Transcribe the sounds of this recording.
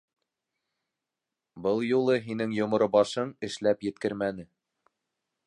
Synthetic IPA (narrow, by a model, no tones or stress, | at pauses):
bɤlˠjulˠɤɦinɘŋjŏmŏɾobɑʃɤɴɘ̆ʃlæpjɘ̆t̪̚kɘɾmænɘ